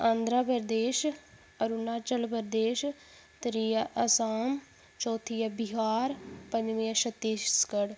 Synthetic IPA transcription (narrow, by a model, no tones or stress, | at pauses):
ãːnd̪ɾapəɾd̪eːʃ | əɾunaːt͡ʃəlpəɾd̪eːʃ | t̪ɾiːjaʔəsaːm | t͡ʃɔːt̪ʰiːjabɪɦaːɾpə̃ɲd͡ʒʋĩːəʃət̪ːeːskəɽ